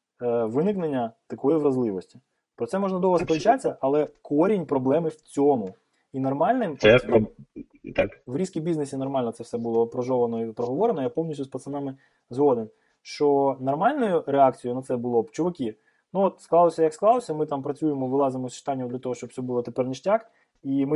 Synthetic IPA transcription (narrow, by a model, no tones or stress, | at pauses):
ʋɪnɪknenʲːɐt̪ɐkɔjiʋɾɐzlˠɪʋɔsʲtʲi̥ | pɾɔt̪ɛmɔʒnɐd̪ɔɦɐspɔlʲˠt͡ʃat͡sʲːɐʔɐlˠɛkɔɾʲinʲpɾɔblˠɛmɪwt͡sʲɔmʊ | inɐrmɑlʲnɪmpɛ | t̪akʋɾʲiskʲibʲiznesʲinɔrmɑlʲnɔt̪sɛfsɛbʊlˠɔpɾɔʒɔʋɐnɔipɾɔɦɔʋɔɾenɔjapɔwnʲisʲuspɐt̪sɐmɛmɪ | zɦɔd̪en | ʃt͡ʃɔnɐrmɑlʲnɔjʊɾeɑk̚t͡sʲijʊnɐt̪sɛbʊlˠɔpt͡ʃʊʋɐkʲi | nuɔt̪sklˠɑlˠɔsʲɐjɐksklˠɑlˠɔsʲɐmɪt̪ɑmpɾɐt͡sʲujemɔʋɪlˠɑzɪmɔsʲʃt̪ɑnʲːɔwd̪lʲɐt̪ɔɦɔʃt͡ʃɔpsʲɔbulˠɔt̪epɛrnɪʃtʲak | imɪ